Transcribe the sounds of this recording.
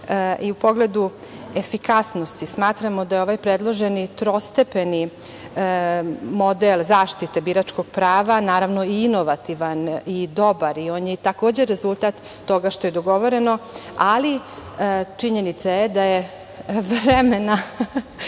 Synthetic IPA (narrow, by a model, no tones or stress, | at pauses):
ʔiupoɡled̪u | efikasno̞st̪ismaːt̪ɾamo̞d̪ajeo̞ʋajpɾed̪lˠo̞ʒenit̪ɾo̞st̪epeni | mo̞d̪elzaːʃt̪it̪e̞biːɾat͡ʃko̞ɡ̥̚pɾaːʋanaːɾaʋno̞iino̞ʋat̪iʋanid̪o̞baɾio̞ːnjet̪akoːd͡ʑeɾezulˠt̪at̪ːo̞ɡaʃt̪ojed̪o̞ɡo̞ʋo̞ɾe̞no̞ali | t͡ʂiɲe̞nit̪sajed̪aje | ʋɾemena